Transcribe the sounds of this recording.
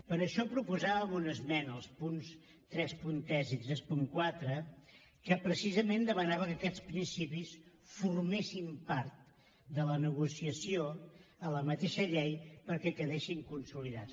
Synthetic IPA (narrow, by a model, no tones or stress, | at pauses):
pəɾəʃɔpɾupuzaβəmunəzmɛnəlˠspuns | t̪ɾɛspunt̪ɛziɛspuŋkwat̪ɾə | kəpɾəsizəmend̪əmənaβəkəkɛt͡spɾinsipis | furmesimpaɾt̪ | d̪ələnəɣusiəsioələmət̪eʃəʎejpəɾkɛkəðeʃiŋkunsuliðas